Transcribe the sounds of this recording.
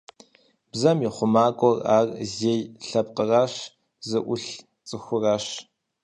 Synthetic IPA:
b̥zɐmiːχʷʊmaːɡʷʼɔra̰ːrzeːjɬɐp̚qəraːɕ | zɨʔʷʊɬ | t͡sʼɨxʷʊraːɕ

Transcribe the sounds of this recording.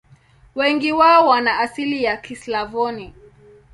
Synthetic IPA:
wɛŋɡiwaɔwanaːsilijakislavɔni

